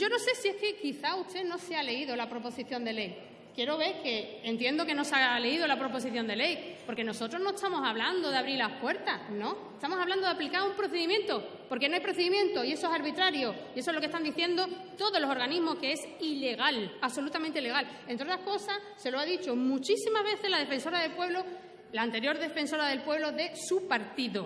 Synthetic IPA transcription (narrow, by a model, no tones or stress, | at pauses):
ɟ͡ʝo̞no̞se̞sie̞hke̞kiθauht̪e̞no̞seale̞iðo̞lapɾo̞po̞siθjõ̞nd̪e̞le̞j | kje̞ɾo̞βe̞ɾke̞ːnt̪jend̪o̞ke̞no̞sale̞iðo̞lapɾo̞po̞s̬iθjo̞nd̪elejpo̞ɾke̞no̞so̞t̪ɾo̞znoest̪amo̞saβland̪o̞ðeaβɾiɾlahpwe̞ɾt̪asnõ̞et̪amosaβland̪oðaplikaumpɾo̞θe̞ðimjẽ̞nt̪o̞ | po̞ɾkenoajpɾoθeimjẽ̞nt̪o̞ie̞soesaɾβit̪ɾaɾjo | ie̞so̞lo̞kest̪and̪iθje̞nd̪o̞t̪o̞ðolo̞so̞ɾɣanizmo̞skeesile̞ɣ̞alaβso̞lut̪amẽnt̪eile̞ɣal | e̞nt̪ɾot̪ɾahko̞sas | se̞loaðit͡ʃo̞mut͡ʃisimazβe̞θe̞zlaðefe̞nso̞ɾaðelpwe̞βlo̞ | laːnt̪e̞ɾjo̞ɾðe̞fe̞nso̞ɾaðe̞lpwe̞βlo̞ðe̞supaɾt̪iðo